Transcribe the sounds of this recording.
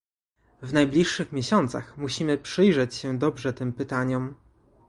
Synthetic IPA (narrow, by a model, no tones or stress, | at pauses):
vnajblʲiʂːɘxmʲjeɕɔnt̪sa̰xmuɕimɘpʂɘjʐɛt͡ɕɕɛd̪ɔbʐɛt̪ɘmpɘt̪aɲɔm